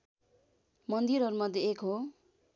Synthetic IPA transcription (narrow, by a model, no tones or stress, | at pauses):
mʌnd̪iɾʌɾumʌd̪ʱjeekɦo